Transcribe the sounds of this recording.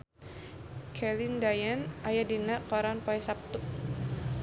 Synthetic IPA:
kʰɛlindajanʔajadinaʔkɔɾanpɔɛsap̚t̪ʊk̚

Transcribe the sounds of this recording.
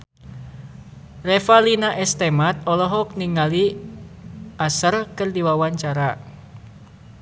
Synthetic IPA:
rɛfalinaʔɛst̪ɛmat̪̚ɔlɔɦɔk̚niŋali | asərkɨrdiwawaɲt͡ʃaɾa

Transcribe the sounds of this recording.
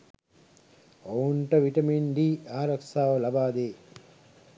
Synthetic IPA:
ouɳʈəʋiʈɐminɖiːaːɾɐksaːʋəlabaːd̪eː

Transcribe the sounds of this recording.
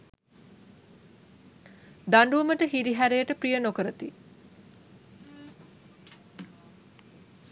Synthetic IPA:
d̪aɳɖuuməʈəɦiɾiɦæɾejəʈəprijənokəɾət̪i

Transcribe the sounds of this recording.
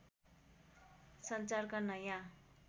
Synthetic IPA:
sʌnt͡sarkanʌjã

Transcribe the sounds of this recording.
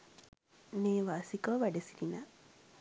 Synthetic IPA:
neːʋaːsikoʋaɖesilina

